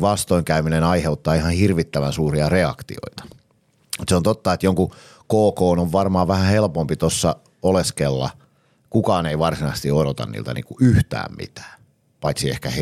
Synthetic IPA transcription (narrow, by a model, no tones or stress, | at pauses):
ʋɑst̪oiŋkæyminenɑiheut̪ːɑːihɑnhirʋit̪ːæʋænsuːriɑreɑ̰kt̪ḭo̰it̪ɑ̥ | mut̪seont̪ot̪ːɑet̪joŋku | koːkoːnoʋʋɑrmɑːʋʋæhæhelpompit̪osːɑ | oleskelːɑ̰ | kukɑːneiʋɑrsinɑist̪ioɾot̪ɑ̰nnḭlt̪æ̰nḭːŋkuʔyht̪æ̰ːmmḭt̪æ̥ː | pɑit̪siehkæh